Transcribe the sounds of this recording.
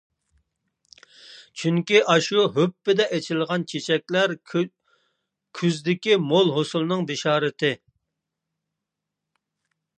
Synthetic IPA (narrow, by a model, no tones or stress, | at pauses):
t͡ʃʰyŋkʲiʔɑʃuɦøpːɪd̪ɛʔɛt͡ʃʰɪlʁɑnt͡ʃʰet͡ʃʰɛk̚ʲlæɾ | kʲʰyzd̪ɪkʲimolˠɦosulˠɨnɨŋbeʃɑːɾɪt̪ʰɪ